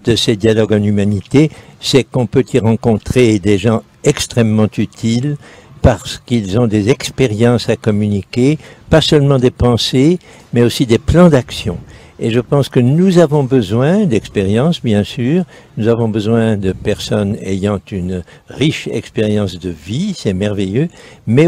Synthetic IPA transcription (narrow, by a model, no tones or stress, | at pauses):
d̪̥əsəd̪jalɔɡɑ̃lymanit̪esɛkɔ̃pøt̪ʰiʁɑ̃kɔ̃t̪χed̪eʒɑ̃ | ɛkst̪χɛmːɑ̃t̪yt̪ʰilpaʁsə̥kilzɔ̃d̪ezɛkspeʁjɑ̃sakɔmynikʲepasœlmɑ̃d̪epɑ̃se | mɛosid̪eplɑ̃d̪aksjɔ̰̃ | eʒəpɑ̃skənuzavɔ̃bəzwɛ̃d̪ɛkspeʁjɑ̃sbjɛ̃syːʁ | nuzavɔ̃bəzwɛ̃d̪əpɛʁsɔnḛjɑ̃t̪yn | ʁiʃɛ̰kspeʁjɑ̃sd̪əvisɛmɛʁvɛjømɛ